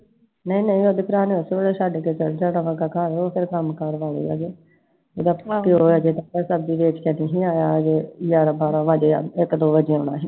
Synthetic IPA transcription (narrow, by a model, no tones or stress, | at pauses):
nəĩːnəĩːoːd̪eːpʰɾaːneːəsʋeɽeːʃəɖket͡ʃəld͡ʒaːɽãːʋaːɡaːkəɾoːpʰɪɾkəmkəɾʋaːlḛːa̰ːd͡ʒeː | oːd̪aːpəiːɦoːaːd͡ʒeːd̪aːpəɾsəb̚d̪iːʋeːt͡ʃkɛniɦĩːaːjaːd͡ʒeːjaːɾabaːɾãːʋaːd͡ʒeːa̰ɪkd̪oːbəd͡ʒẽːʊnã̰ːɦi